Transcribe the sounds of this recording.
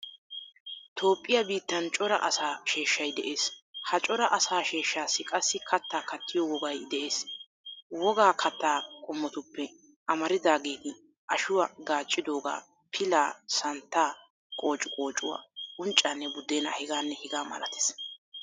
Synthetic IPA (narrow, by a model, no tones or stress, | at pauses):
t̪ʰo̞ːpʼːɪjɐbiːt̪ːɐnt͡ʃʼɔɾɐ̰ʔɐsaːʃe̞ːʃːɐjd̪ɛʔeːshɐt͡ʃʼɔɾɐʔɐsaːʃe̞ːʃːaːsːɪkʼɐsːɪkʰɐt̪ːaːkɐt̪ʰːɪjɔwɔɡɐjd̪ɛʔe̞ːs | wɔɡaːkʰɐt̪ːaːkʼʊmːɔt̪ʊpːɛ | ʔɐmɐɾɪd̪aːɡeːɡɪ | ʔɐʃʊwaɡaːt͡ʃʼːɪd̪o̞ːɡa̰ː | pʰɪlaːsɐnt̪ːaː | kʼo̞ːt͡ʃʼʊkʼo̞ːt͡ʃʼːʊ̰wa̰ːʊnt͡ʃʼːaːnːɛbʊd̪eːnɐ̰hɪɡaːnːɛhɪɡaːmɐ̰lɐ̰t̪e̥ːs